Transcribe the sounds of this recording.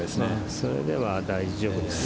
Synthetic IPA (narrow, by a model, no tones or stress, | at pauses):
smaso̞ɾe̞̰d̪e̞βad̪aiʑo̞ːbɯ̟d̪ess